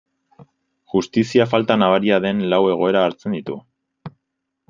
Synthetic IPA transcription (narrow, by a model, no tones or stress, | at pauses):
ʝust̪isiafalt̪anaβaɾiaðe̞nlawe̞ɣ̞o̞e̞ɾaːɾt͡se̞nd̪it̪u